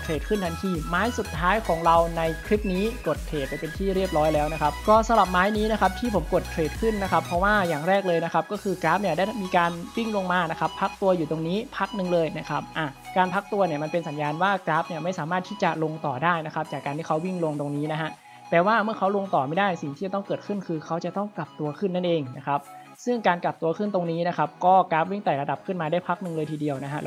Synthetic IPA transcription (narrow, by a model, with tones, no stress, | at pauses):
kʰɾeː˨˩t̪̚kʰɯ˥˩nt̪ʰa˧nt̪ʰiː˧˩maː˦˥jsu˨˩t̪ʰːaː˦˥jkʰɔː˩˦ŋɾa˧wna˧jkʰɾi˦˥p̚niː˦˥ko˨˩t̪̚kʰeː˨˩t̪̚t͡ɕa˧˩pe˧nt̪ʰiː˥˩ɾi˥˩əp̚ɾɔː˦˥jlɛː˦˥wna˦˥kʰa˦˥p̚kɔː˥˩sa˨˦mɾa˨˩p̚maː˦˥jniː˦˥na˦˥kʰa˦˥p̚t̪ʰiː˥˩pʰo˩˦mko˨˩t̪̚kʰɾeː˨˩t̪̚kʰɯ˥˩nːa˦˥kʰa˦˥pʰɾɔ˦˥waː˥˩jaː˨˩ŋɾɛː˥˩k̚lɤː˧jna˦˥kʰa˦˥p̚kɔː˥˩kʰɯː˧kɾaː˦˥p̚ni˧˩daː˥˩jmiː˧kaː˧nwi˥˩ŋlo˧ŋmaː˧na˦˥kʰa˦˥pʰːa˦˥k̚t̪u˧ɐjuː˨˩t̪o˧ŋniː˦˥pʰa˦˥k̚nɯ˨˧ŋlɤː˧jna˦˥kʰa˦˥p̚ʔa˨˩kaː˧npʰa˦˥k̚t̪u˧ɐni˥˩ɐma˧npe˧nsa˩˦njaː˧nwaː˥˩kɾaː˦˥p̚ni˥˩ɐma˥˩jsaː˨˩˦maː˥˩t̪ʰːiː˥˩t͡ɕa˨˩lo˧ŋt̪ɔː˨˩daː˥˩jna˦˥kʰa˦˥p̚t͡ɕaː˨˩kːaː˧nt̪ʰiː˥˩kʰa˦˥wi˥˩ŋlo˧ŋt̪o˧ŋniː˦˥na˦˥ɦʰa˦˥ | t̪ɛː˨˩waː˥˩mɯ˥˩ɐkʰa˦˥wlo˧ŋt̪ɔː˨˩ma˥˩jdaː˥˩jsi˨˩ŋʰiː˦˥˩t͡ɕa˨˩t̪ɔ˥˩ŋkɤː˨˩t̪̚kʰɯ˥˩nkʰɯː˧kʰa˦˥wt͡ɕa˨˩t̪ɔ˥˩ŋka˨˩p̚t̪u˧ɐkʰɯ˥˩nːa˥˩nʔeː˧ŋna˦˥kʰa˦˥p̚ | sɯ˥˩ŋkaː˧nkla˨˩p̚t̪u˧ɐkʰɯ˥˩nt̪o˧ŋniː˦˥na˦˥kʰa˦˥p̚kɔː˥˩ka˦˥p̚wi˥˩ŋt̪ɛː˨˩ɾa˧da˨˩p̚kʰɯ˥˩nmaː˧daː˥˩jpʰa˦˥k̚nɯ˧ŋlɤː˧jt̪ʰːdi˧əwna˦˥ɦa˦˥